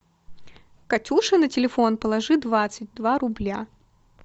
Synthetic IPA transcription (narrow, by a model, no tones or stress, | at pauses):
kɐtʲuʂɨnətʲɪlʲɪfo̞npəlˠɐʐɨd̪vat̪sɨt̚ʲd̪vaɾʊblʲa